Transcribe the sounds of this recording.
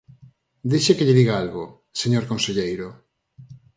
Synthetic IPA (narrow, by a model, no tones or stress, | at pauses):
d̪eʃekeʎɪðiɣaalɣo | seɲoɾkonseʎejɾʊ